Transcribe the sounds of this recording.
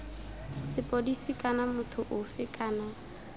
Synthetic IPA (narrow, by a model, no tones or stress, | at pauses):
sɪpʼodisikʼanamʊtʰʊʔʊfɪkʼaːna